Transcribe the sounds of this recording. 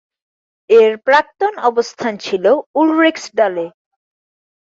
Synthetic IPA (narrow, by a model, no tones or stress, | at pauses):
eɾpɾak̚t̪onɔbost̪ʰant͡ɕʰiloulɾeksɖɔle